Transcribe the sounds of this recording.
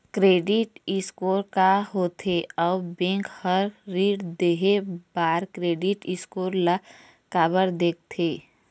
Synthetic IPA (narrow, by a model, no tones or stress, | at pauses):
kɾeːɖɪʈɪskoːɾkaɦot̪ʰeɔːbẽːŋkhəɾːiːɖd̪eɦebaːɾkɾeːɖɪʈɪskoːɾla | kaːbəɾd̪eːk̚ʰt̪ʰeː